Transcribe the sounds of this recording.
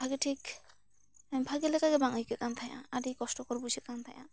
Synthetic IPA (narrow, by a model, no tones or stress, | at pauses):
bʱaɡeʈʰik | amibʱaɡelɛkaɡɛbaŋajkɛkant̪ʰajã̰aɾikɔsʈɔkɔɾbujsʰɛkʰant̪ʰajã̰